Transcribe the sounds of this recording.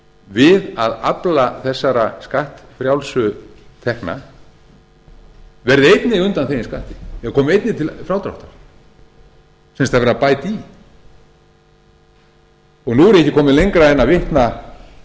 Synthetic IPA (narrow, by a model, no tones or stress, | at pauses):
vɪðaða̰plaθɛsːaɾaskaht̪fɾjawlsʏt̪ʰɛhkna̰ | vɛɾðɪejt̪nɪʏnt̪anθejnskaht̪ɪ̥jɛkʰɔːmʏejt̪nɪt̪ʰɪlfɾaːwt̪ɾa̰ht̪a | sɛmst̪aðvɛɾapaːjt̪i | ɔɣnuːɛɾɛhcːɪkʰɔːmɪlejŋkɾaɛnːavɪht̪na